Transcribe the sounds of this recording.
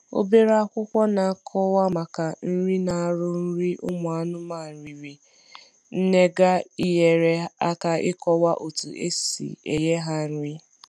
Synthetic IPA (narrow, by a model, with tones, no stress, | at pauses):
o̰˦be˦ɾa˦a˦kʷʊ˦kʷɔ˦na˨a˦˨kʰɔ˦wa˦ma˨ka˨n̩˦ɾi˦na˨a˨ɾʊ˦n̩˦ɾi˦ʔʊ̰˦mʊ˨a˨nʊ˦ma˦˨n̩˨ɾi˨ɾi˨ | n̩˦ne˦ɡa˦i˦je˨ɾe˦a˦ka˦ɪ˦kɔ˦wa˦ʔo˨tṵ˨ḛ˦sḭ˨ḛ˨je˦ɦa˦n̩˦ɾi˦